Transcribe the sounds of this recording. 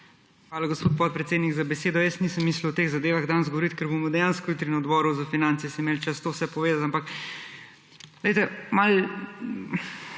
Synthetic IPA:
xʋaːlaɡospoːt̪̚pɔt̪̚pɾɛt̪seːd̪nikzabɛseːd̪ɔjəsniːsəmːiːsləwt̪eːɣzad̪eːʋaɣd̪anzɡoʋɔɾit̪kɛɾbomɔd̪ɛjaːnskɔjut̪ɾinɔd̪bɔːɾuzafinaːnt̪siɛsimeːlt͡ʃast̪oːwsɛpɔʋeːzat̪ampak | lɛjt̪ɛmal

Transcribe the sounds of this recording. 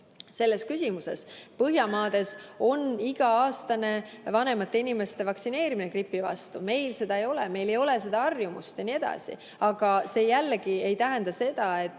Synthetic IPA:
se̞lːe̞skysʲimusespɤɦjɑmɑːd̪̥e̞so̞niɡ̥ɑɑːst̪ɑne̞vɑne̞mɑt̪ːe̞inime̞st̪e̞vɑksine̞ːɾiminekripːˑivɑ̰st̪ume̞jlse̞d̪̥ɑejo̞leme̞jle̞jo̞le̞se̞d̪̥ɑɑrjumṵst̪jɑnie̞d̪̥ɑ̰sḭ | ɑɡ̥ɑse̞ːjælːɡ̥ie̞jt̪æɦend̪ɑse̞d̪̥ɑe̞t̪ː

